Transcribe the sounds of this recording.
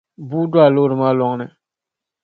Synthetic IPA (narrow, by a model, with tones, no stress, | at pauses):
buː˦dʊ˦a˨lo˦˨ɾɨ˨ma˦lɔ˨ŋnɨ˨